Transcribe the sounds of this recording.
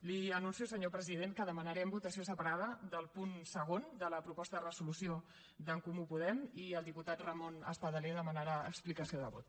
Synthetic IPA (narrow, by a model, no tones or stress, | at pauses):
liənunsius̬əɲopɾəziðenkəðəmənəɾɛmbut̪əsios̬əpəɾaðəðəlˠpunsəɣ̞ond̪ələpɾupɔst̪əðərəzulusio | d̪əŋkumupuðɛmiəlˠd̪iput̪at̪rəmonə̰spəðəleðəmənəɾaə̰ksplikəsioðəβo̰t̪